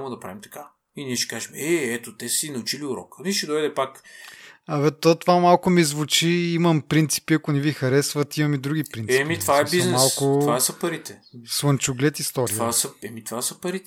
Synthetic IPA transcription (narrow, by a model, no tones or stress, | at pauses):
amod̪ɐpɾavʲimt̪ɐ̥ka | iniɛʃɛ̥kaʒɛmɛɛt̪ot̪ɛsinɐut͡ʃiliʊɾɔ̰kniʃɛd̪ɔjd̪ɛpak | ɐvɛt̪ːot̪ovamalˠkʊmizvut͡ʃiimɐmpɾint̪si̥piɐkʊnivixɐɾɛsvɐt̪imɐmid̪ɾuɡʲipɾint̪ɛimit̪vaɛbiznmsalˠkʊvaɛsɐpɐɾit̪ɛswɐnt͡ʃuɡlʲɛt̪ist̪ɔɾtivasɐɛmit̪vasɐpɐɾit̪ɛ